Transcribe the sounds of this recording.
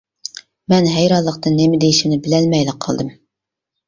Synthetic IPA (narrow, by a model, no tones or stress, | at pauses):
mɛnɦɛjɾɑlˠːəqt̪ɨnːemɪd̪ejiʃinɪbɪlɛlmɛjlɪqʰɑ̰lˠd̪ɨm